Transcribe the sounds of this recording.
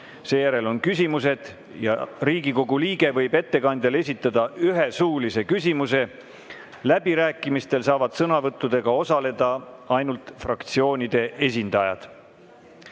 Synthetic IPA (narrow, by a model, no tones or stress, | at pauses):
se̞ːjæɾe̞lo̞nkysʲimuse̞d̪̥ | jɑ̰ɾiːɡ̥iko̞ɡuliːɡe̞vɤ̞jbe̞t̪ːe̞kɑnd̪̥ele̞s̬ʲit̪ːˑɑd̪̥ɑyɦe̞suːlise̞kysʲimuse̞ | læbiɾæːkːˑimist̪e̞lsɑːvɑd̪̥sɤnɑvɤt̪ːˑud̪̥e̞ɡ̥ɑo̞sɑle̞d̪̥ɑɑjnult̪frɑkt̪sio̞ːnʲid̪̥e̞ʔe̞s̬ʲind̪̥ɑjɑ̰d̪̥